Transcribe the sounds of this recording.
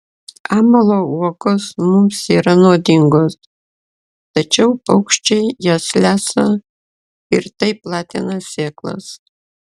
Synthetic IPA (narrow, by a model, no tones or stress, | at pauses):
ɑːmɐlˠoːuɔkoːsmʊmsiːɾɐnoːd̪ʲɪŋɡoːs | t̪ɐt͡ʃʲɛʊɐʊkʃʲt͡ʃʲɛɪjɛslʲæːsɐ | ɪɾt̪ɐɪplˠɑːt̪ʲenɐsʲeːklˠɐ̰s